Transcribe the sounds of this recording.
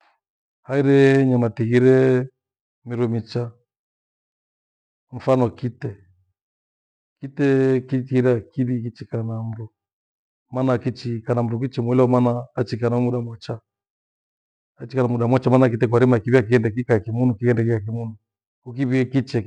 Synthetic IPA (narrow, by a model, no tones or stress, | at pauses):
haiɾɛɲamatiɣiɾɛ | miɾumit͡ʃa | ɱ̩fanɔkitɛ | kitɛkitiɾakiβikit͡ʃikanam̩ɾu | manakit͡ʃikanam̩ɾuk̬it͡ʃimwɛlɛɔmanaːt͡ʃikanamuɗamwat͡ʃa | t͡ʃikanamuɗamwat͡ʃamanak̬itɛk̬waɾimakiβiak̬iɛndɛk̬ikakimunukiɣɛndɛkikak̬imunu | kuk̬iβiɛkit͡ʃɛ